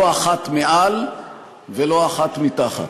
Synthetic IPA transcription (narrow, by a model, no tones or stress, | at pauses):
aχat̪meʔal | velo̞aχat̪mit̪aχa̰t̪